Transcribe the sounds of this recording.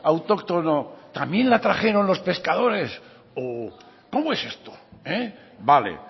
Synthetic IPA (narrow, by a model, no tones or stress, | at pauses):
awt̪o̞kt̪o̞not̪amje̞nlat̪ɾaχe̞ɾo̞nlo̞spe̞skaðo̞ɾe̞s | o | ko̞moese̞st̪oe | bale̞̰